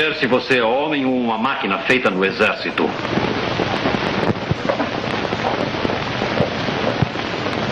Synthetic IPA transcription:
eɾsivoseɔɔmẽŋuumɐmakinɐfejt̪ɐnuezɛɾsit̪ṵ

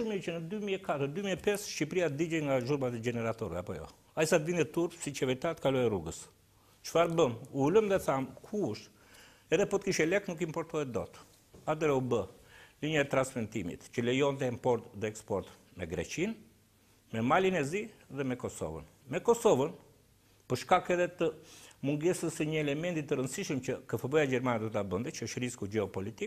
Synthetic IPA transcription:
ʃumit͡ʃənəd̪ymiɛkat̪əɾd̪ymiɛpɛsʃipɾiad̪id͡ʒɛjŋɡaʒuɾmat̪ɛɟɛnɛɾat̪ɔɾɛapɔjɔ̰ | aisat̪vind̪ɛt̪uɾpsit͡ʃɛvɛɾit̪at̪kalɔjɛruɡəs | t͡ʃə̥faɾbəmuuləmðɛθamkʰuʃ | ɛðɛpɔt̪əkiʃɛlɛknukimpɔɾt̪ɔhɛt̪d̪ɔ̰t̪ | at̪ɛɾɛubəliɲaɛt̪ɾanspmɛnt̪imḭt̪cəlɛjɔnt̪̬ɛimpɔɾt̪ðɛɛkspɔɾt̪ | mɛɡɾɛ̰t͡ʃin | mɛmalinɛziðɛmɛkɔsɔ̰və̰n | mɛkɔsɔvən | pəɾʃkakɛðɛt̪əmuŋɡɛsəsəɲəɛlɛmɛnt̪it̪əɾənsiʃəmt͡ʃəkəfəbɔjaɟɛɾmanɛd̪ɔt̪abənd̪ɛt͡ʃəʃəɾiskuɟɛɔpɔlit̪ik

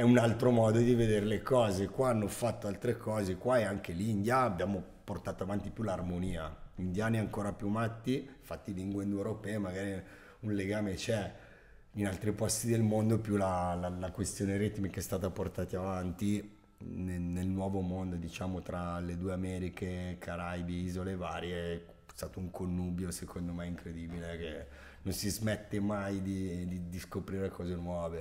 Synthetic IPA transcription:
ɛunalt̪ɾomɔːd̪od̪ived̪eɾelekɔːzekwaanːofat̪ːoalt̪ɾekɔːzekwaeaŋk̟eliːnd̪jaːbːjaːmo | port̪aːt̪oavant̪ipjularmoniːaind̪jaːniaŋkoːɾapjuamat̪ːifat̪ːiliŋɡwend̪ewɾopɛːemaɡaːɾi | unleɡaːmet͡ʃɛ | inalt̪ɾipɔst̪id̪elmond̪opjulalalakwest̪joːneɾit̪mekeɛst̪aːt̪aport̪aːt̪iavant̪i | nenelnwɔːvomond̪od̪it͡ʃaːmot̪ɾaled̪uːeamɛːɾikekʰaɾajb̪iiːzoleːvaːɾje | st̪aːt̪ouŋkonːuːbjosekʰond̪omɛiŋkɾed̪iːbileke | nonsizmet̪ːemajd̪id̪id̪iskopɾiːɾekɔːzenwɔːve

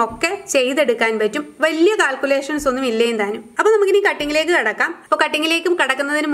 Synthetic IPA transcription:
o̞kːet͡ɕe̞jðe̞ɽukːaːnpɐtːumʋɐlijɐkaːlkule̞ːʂɐnso̞nːumilːɐjent̪aːnumɐpːoːnɐmukːɨniːkɐʈːiŋːileːk̬ːɨkɐɽɐkːaːmɐpːoːkɐʈːiŋːileːkːumkɐɽɐkːunːɐðinum

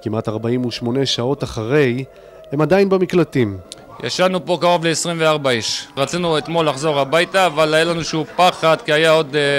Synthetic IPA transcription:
kimat̪aʁbaimuʃmo̞neʃao̞taχaʁe̞j | hemad̪ajinbamiklat̪im | ja̰ʃanupo̞kaʁo̞vleːsʁimveaʁbaiʃʁat͡sinuet̪mo̞lːaχzo̞ʁhabajt̪aːvalajalanuʃeupaχad̪kiajao̞d̪

